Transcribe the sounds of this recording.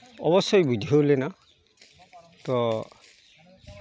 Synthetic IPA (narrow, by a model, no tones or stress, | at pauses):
ɔbɔsɔjbudʱiɦolɛna | t̪ɔ